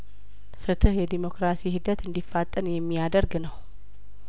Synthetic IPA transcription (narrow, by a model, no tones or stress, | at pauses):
fɨt̪ʰɨhjɛd̪imo̞kɾasihɨd̪ət̪ɨnd̪ifːat̪ʼːənjɛmːijad̪əɾɡnəw